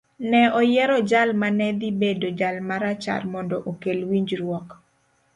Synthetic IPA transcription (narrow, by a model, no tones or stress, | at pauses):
nɛɔjɛɾɔd͡ʒalmanɛd̪ibedod͡ʒalmaɾat͡ʃa̰rmɔndɔʔokelwiɲd͡ʒɾwɔk